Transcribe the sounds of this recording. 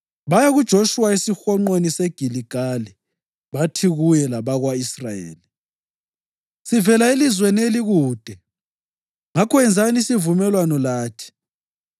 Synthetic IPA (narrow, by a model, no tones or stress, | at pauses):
βajaɣud̥ʒ̥ʱoʃuwaisixɔŋ͡ǃoniseɡ̥ʱiliɡ̥ʱali | βatʰiɣujɛlaβaɣwaisrajḛːli | sivɛlaelizwɛneliɣuːd̥ʱɛ | ŋakʰɔɛnd͡zʱanisivumɛlwanɔlaːtʰi̥